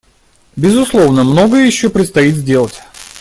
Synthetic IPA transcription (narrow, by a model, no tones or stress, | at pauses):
bʲɪzʊslˠo̞vnəmno̞ɡəjəjɪɕːopɾʲɪt̪st̪ɐit̪zʲdʲe̞lˠətʲ